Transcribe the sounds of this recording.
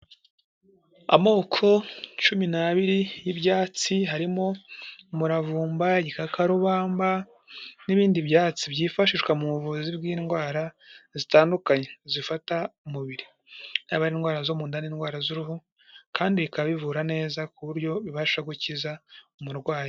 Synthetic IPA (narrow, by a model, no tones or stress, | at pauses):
a̰mo̞ːkʰo̞t͡ʃuminaβiɾijibjaːt͡siɦaɾimo̞muɾavuːmbaɟikakaɾuβaːmba | niβiːndibjaːt͡sibɟiːfaʃiʃwamuβuvuzibɡiːnɡwaːɾazitaːndukaɲezifataumuβiɾi | naːβaɾinɡwaːɾazomuːndaniːnɡwaːɾazuɾuɦu | kaːndiβikaβaβivuɾane̞ːzakuβuɾɟo̞βiβḁʃaɡucizaumuɾɡwaːɾo